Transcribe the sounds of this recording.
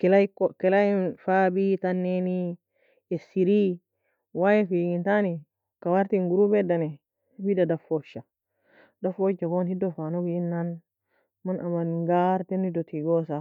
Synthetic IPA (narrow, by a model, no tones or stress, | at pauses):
kɛlakɔkɛlajifabitanːeni | ɛsiɾi | wajifiɡintani | kawaɾtiŋɡuɾubɛdanɛ | widadafɔʃa | dafɔd͡ʒakɔnhidɔfanobiinːan | manʔamanŋɡaɾtɛnhidɔtiɡɔsa